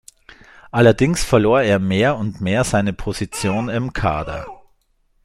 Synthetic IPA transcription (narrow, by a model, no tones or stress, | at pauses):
ʔalɐdɪŋsfɛɐloːɐeːɐmeːɐʊntmeːɐzaɪnəpʰozit͡sjoːnɪmkʰa̰ːdɐ̰